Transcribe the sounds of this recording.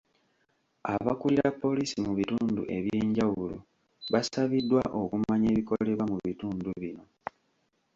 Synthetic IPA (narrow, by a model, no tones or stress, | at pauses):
aβakuliɾapːo̞liːsimuβituːndṵʔe̞βjeːɲɟawulo | βasaβidːwaʔo̞kumaɲe̞ːβiko̞le̞βamuβituːnduβino̞